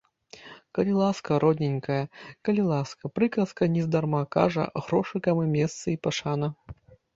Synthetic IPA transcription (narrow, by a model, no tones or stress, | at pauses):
kɐlʲilˠaskɐɾɔd̪ʲnʲɪnʲkɐjɐkɐlʲilˠaskɐpɾɨkɐskɐnʲɛzd̪ɐrmaka̰ʐɐ̰ɣɾɔʂɨkɐmɨmʲɛst̪sɨipɐʂanɐ